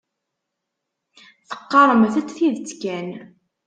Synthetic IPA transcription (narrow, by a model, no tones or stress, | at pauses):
θə̥qːɑɾˤəmθæt͡sːθiðt͡sːkæn